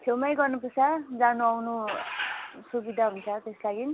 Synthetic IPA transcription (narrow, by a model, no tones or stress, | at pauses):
t̪ʰewmajɡʌrnupʌsad͡zanuawnu | subid̪ʱaɦunt͡sʰʌt̪eslaɡin